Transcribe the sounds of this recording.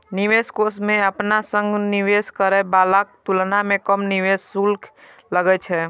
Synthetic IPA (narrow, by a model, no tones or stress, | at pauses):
niʋeskosmeəpnasə̃ŋɡniʋeskəɾɛbalak̚t̪ulnamekəmniʋesːulkʰ | ləɡɛt͡ʃʰɛ